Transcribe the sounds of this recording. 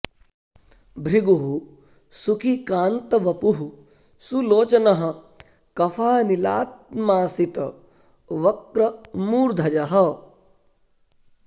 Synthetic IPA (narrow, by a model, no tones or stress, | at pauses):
bʱɾiɡuɦu | sukʰikaːnt̪ɐʋɐpuɦu | suloːt͡ʃɐnɐɦɐ̆ | kɐfʰaːnila̰ːt̪̚maːsit̪ɐ | ʋɐkɾɐmuːɾd̪ʱɐd͡ʒɐɦɐ